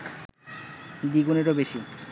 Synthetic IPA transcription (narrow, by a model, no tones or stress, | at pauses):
d̪iɡuneɾobeʃi